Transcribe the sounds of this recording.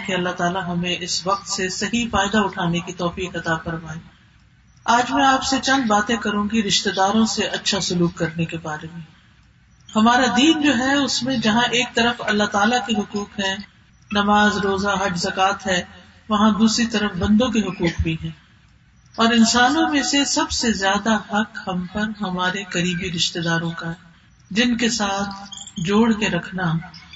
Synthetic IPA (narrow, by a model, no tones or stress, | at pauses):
keɐlːat̪aːlaɦɐmẽʔɪsʋɐq̚t̪sesɐɦifaːɪd̪aʊʈʰaːnekit̪ɔːfiːkɐt̪afɐɾmaːẽː | aːd͡ʒmɛ̃aːpset͡ʃɐ̃nd̪baːt̪ẽkɐɾũːɡiɾɪʃt̪ed̪aːɾõseʔɐtːʃʰasʊluːkːɐɾnekebaːɾemẽ | hɐmaːɾad̪iːnd͡ʒoːɦɛʊsmẽd͡ʒɐɦãʔeːk̚t̪ɐɾəfɐlːat̪aːlakiɦʊkuːkɦɛ̃ː | nɐmaːzɾoːzaɦɐd͡ʒzɐkaːt̪ɦɛː | ʋɐɦãd̪uːsɾit̪ɐɾəfbɐ̃nd̪õkiɦʊkuːkbʱiɦɛ̃ː | ɔːɾɪnsaːnõmẽsesɐbsezjaːd̪aɦɐkhɐmpɐɾɦɐmaːɾekɐɾiːbiɾɪʃt̪ed̪aːɾõka | d͡ʒɪnkesaːt̪ʰd͡ʒoːɽkeɾɐkʰna